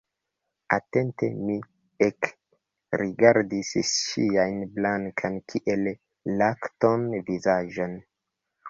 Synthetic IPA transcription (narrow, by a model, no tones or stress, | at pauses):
ate̞ntḛmi | ek | ɾiɡaɾdisʃiajnblaŋkʰankʰiʔelː | aktonvizaʒon